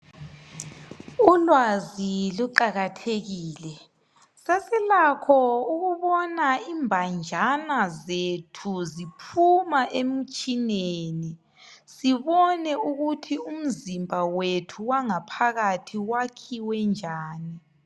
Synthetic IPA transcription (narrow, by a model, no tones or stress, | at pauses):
ulwaziluǃaɣatʰeɣiːlɛ | sesilakʰɔuɣuβɔnaiːmbʱand͡ʒʱanazetʰuzipʰumaʔem̩t͡ʃʼineni | siβɔnɛuɣutʰium̩zimbʱawetʰuwaŋapʰaɣatʰiwakʰiwɛnd͡ʒʱaːni